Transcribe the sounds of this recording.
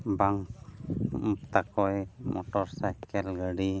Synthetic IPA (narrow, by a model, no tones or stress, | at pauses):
baŋ | mpt̪akɔjmɔʈɔɾsajkɛlɡəɖi